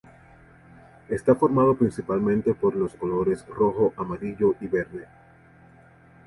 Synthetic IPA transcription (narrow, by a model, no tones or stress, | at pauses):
e̞st̪afo̞ɾmaðo̞pɾinsipalmẽnt̪epo̞ɾlo̞sko̞lo̞ɾe̞sro̞xoʔamaɾiʝo̞ʔiβe̞ɾne̞